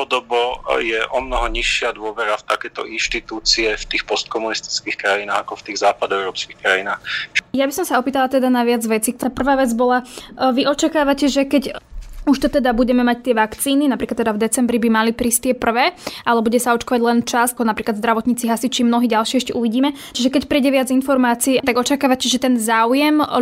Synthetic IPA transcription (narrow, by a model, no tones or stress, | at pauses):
ɔd̪ɔbɔjɛʔɔmnɔɦɔɲiʃːɪad̪ʊɔʋɛɾaft̪akɛːt̪ɔ̰inʃt̪it̪uːt͡siɛft̪iːxpɔst̪̚kɔmunist̪i̥t͡skixkɾajinaːɣakɔft̪iːɣzaːpad̪ɔɛʊɾɔːpskixkɾajinaːxjabisɔmsaɔpiːt̪alˠat̪ɛd̪anaʋɪad͡zʋɛt͡sik̚t̪ɔɾapr̩ʋaːʋɛd͡zbɔlaʋiʔɔt͡ʃakaːʋacɛʒɛkɛɟuʃt̪ɔt̪ɛd̪abuɟɛmɛmac̚t̪ɪɛʋakt͡siːninapɾiklat̪ːɛd̪avd̪ɛt͡sɛmbɾibimalipɾiːst̪ɪɛpr̩ʋɛːʔalɛbuɟɛsaɔt͡ʃkɔʋaɟlɛnt͡ʃasaɔnapɾiklad̪zd̪ɾaʋɔt̪ɲiːt͡siɦasit͡ʃimnɔɦiːɟalʃɪɛɛʃcɛʔuʋiɟiːmɛ | t͡ʃiʒɛkɛcpɾiːɟɛʋɪad͡zinfɔɾmaːt͡siːt̪aɡɔt͡ʃakaːʋacɛʒɛt̪ɛnzaːujɛm